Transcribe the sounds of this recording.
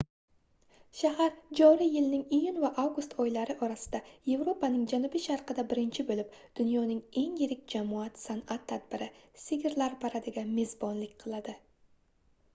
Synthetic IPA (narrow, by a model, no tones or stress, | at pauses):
ʃaɦaɾd͡ʒɒɾijɪlnɪŋijʊnvaʔavɡʊst̪ʰɒjlaɾɪʔɒɾasɪ̥d̪aje̞vɾo̞pʰanɪŋd͡ʒanʊbiʃaɾqʰɨd̪abɪɾɪnt͡ʃʰɪbɵlɪp̚d̪̥ʊnjɒnɪŋe̞ŋjɪɾɪkʲd͡ʒamɒat̪sanat̪ʰːad̪bɪɾɪsɪɡʲɪɾlaɾpʰaɾad̪ɪɡʲame̞zbɒnlɪkʲqʰɨlˠad̪ɪ